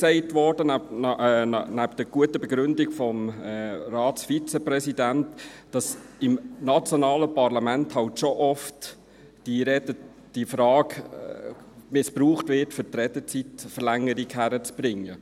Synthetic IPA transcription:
ksɛɪtʋɔːɾd̥ənː | næpd̥əɾɡ̥uətəbɛɡɾʏndɪɡfɔmːrɑːtsfit͡səpɾɛsidæntd̥ɑsɪmnɑt͡sjonɑːləpɑɾlɑmænthɑltʃoʔɔft | d̥iɾɛdə | d̥ifɾɑːɡ | mɪspɾuːχtvɪtfʏtɾɛd̥ət͡sitfəɾlæŋːəɾikhæɾət͡sb̥ɾɪŋːə

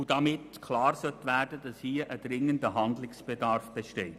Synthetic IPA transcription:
ud̥ɑmɪtkʰlɑːɾsœt̪ʋæːɾd̥ədɑshiːəʔəd̥ɾɪŋəndəɦɑnd̪lɪksb̥edɑɾfb̥eʃteː

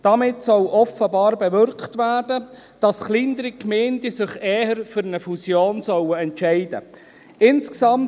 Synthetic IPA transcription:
d̥ɑmɪtsɔlʔɔfəbɑːɾbɛʋʏɾktʋæːɾdə | d̥ɑsχliːnd̪əɾikmeːndisɪχeːhəɾfʏɾənəfusjoːnsœwəɛntʃɛɪd̥ə̰ | ɪnsksɑm

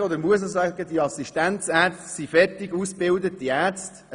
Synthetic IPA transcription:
od̪əɾmuəs̬əsɑɡ̥əd̥̪iəɑsiʃtænt͡sæːɾt͡stsifɛtɪɡusb̥ɪldətːiæɾt͡st

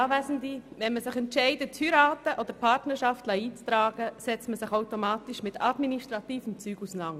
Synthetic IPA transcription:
aːvɛsn̩divɛnməsɪχɛntʃɛɪdətʰhyɾaːtəʔod̥̪əɾpʰartnəɾʃɑftləiːt͡st̪ɾaːɡəsɛt͡stməsɪχaʊtomaːtiʃmɪtʰadminiʃtɾɑtiːfəmt͡syːɡ̥usənɑŋ

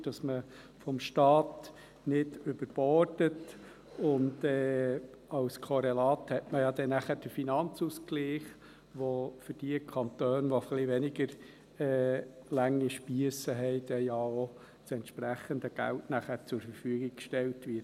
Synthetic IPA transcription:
d̥ɑsmə | fɔmʃtɑːt | nɪdʏbəɾb̥ɔrdət | ʊndɛː | ɑlskʰɔɾɛlɑːthɛtməjɑd̪ɛnæχəɾd̥əfinɑnt͡suskliːχ | ʋofʏdiəkʰɑnt̪øːnʋɔflɪʋɛnɪɡəɾ | ɛːlæŋːiʃpiəsəɦɛɪdɛjɑo | sɛntʃpɾæχəndəɡ̥æ̰ltnæχəɾt͡sʊɾfəɾfyəɡɪɡ̚kʃtɛltʋɪt

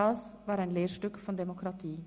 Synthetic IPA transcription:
ɑːsʋɑːɾæɪnleːʃʈʉkfɔnd̪ɛmʊkʰɾɑt̪ʰiː

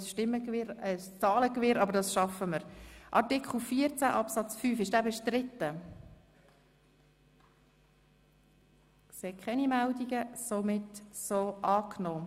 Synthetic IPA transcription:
sʃtɪmːəkvɪɾəst͡sɑːləkvɪːɾɑbəɾdɑsʃɑfəməɾʔɑɾtɪkχl̩ˠfiət͡sæʔɑpsɑt͡sfyːfɪʃd̥æːbɛʃtɾɪtːə | sekʰχɛnimɛldiɡəsomɪtsoːʔɑːknoː

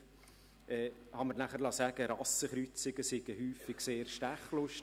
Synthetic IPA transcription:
ʔɛːhɑməɾnæχəɾlɑsæːɡəɾɑsəχɾyt͡sɪɡəsɪɡ̥əhyːfɪɡ̥seːɾʃtæχlʊʃ

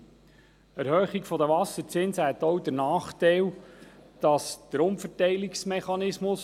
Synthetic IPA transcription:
æɾhœːχikfɔd̪əʋɑsəɾt͡sɪnsəɦɛt̪ɔwd̪əɾnɑːχt̪ɛɪld̥ɑsd̪̥əɾʊmfərtɛɪliksmɛχɑnɪsmʊs

